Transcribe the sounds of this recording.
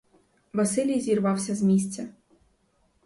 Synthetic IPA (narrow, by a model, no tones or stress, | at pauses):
vɐsɨlʲijzʲirvawsʲɐzʲmʲisʲt͡sʲɐ